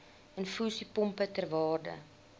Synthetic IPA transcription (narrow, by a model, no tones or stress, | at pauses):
ənfuːsipɔmpətərvɑːrdə̰